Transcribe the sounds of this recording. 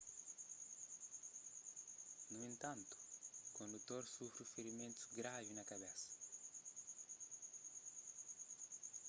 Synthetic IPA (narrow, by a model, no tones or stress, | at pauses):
nuẽnt̪ãnt̪u̥kõnd̪ut̪oɾsufɾifeɾimẽnt̪u̥ɡɾavinɐkabesɐ̥